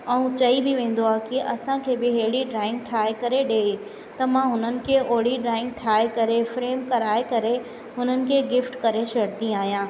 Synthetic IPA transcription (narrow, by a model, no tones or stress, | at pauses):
ɛ̃ũt͡ɕɐibɪʋẽːn̆d̪oaːkɪʔɐsãkʰeːbɪɦeɦɪɽiɖɾaːɪ̃ŋɡ̚ʈʰaːekɐɾeɗeː | t̪ɐmãɦʊnənɪ̆kʰeʔoːɽ̤iɖɾaːɪ̃ŋɡ̚ʈʰaːekɐɾefɾeːmkɐɾaːekɐɾe | ɦʊn̤ənɪ̆kʰeːɡɪfʈkɐɾeʃɐɽt̪ĩaːɦijãː